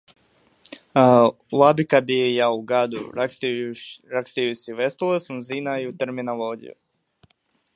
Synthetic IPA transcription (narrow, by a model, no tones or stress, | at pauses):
labikabijauɡad̪ṵ | ɾakst̪ijusiʋɛst̪ulˠasamzinaiut̪ɛɾminaloɡḭjṵ